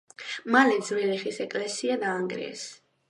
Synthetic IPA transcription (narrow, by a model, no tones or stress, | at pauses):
malɛd̪zɾɛliχisɛkʼlɛsiad̪aːŋɡɾḭɛ̰s